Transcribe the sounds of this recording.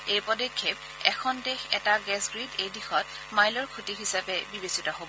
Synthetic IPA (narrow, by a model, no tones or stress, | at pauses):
ejpɔdekʰːeb̚ | ɛkʰɔndexɛtaɡɛsɡɹidejdixɔt | majlɔɹkʰutiɦisapɛbibesitɔɦobɔ